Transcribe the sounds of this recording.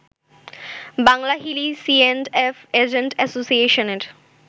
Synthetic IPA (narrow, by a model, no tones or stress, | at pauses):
baŋlaɦilisienɖefed͡ʑeɳʈɛsosieʃoneɾ